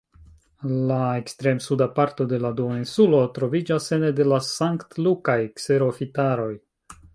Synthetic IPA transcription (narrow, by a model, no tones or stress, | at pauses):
lae̞kstɾe̞msudapaɾto̞de̞laduoinsulo̞tɾo̞vid͡ʒase̞nede̞lasaŋktlukajkse̞ɾofitaɾo̞j